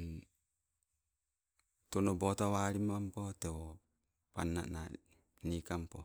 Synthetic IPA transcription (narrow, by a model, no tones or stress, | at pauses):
tɔnɔbɔtawaɾimampɔtɛwɔ | panːa̰ʔna | nikampɔ